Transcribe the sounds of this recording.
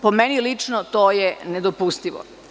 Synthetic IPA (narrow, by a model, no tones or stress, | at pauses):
pomenilit͡ʂnot̪oːjened̪opust̪iʋo̰